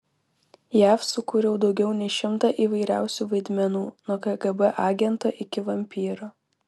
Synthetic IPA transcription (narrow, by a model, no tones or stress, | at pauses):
jæːfsʊkuːɾʲɛʊd̪ɒʊɡʲɛʊnʲɛɪʃʲɪmt̪ɑʔiːʋɐɪɾʲæ̰ˑʊsʲuːʋɐɪd̪ʲmʲɛnuːnuːkɐɡɐbɛʔɑːɡʲɛnt̪oʔɪkʲɪʋɐmʲpʲiːɾoː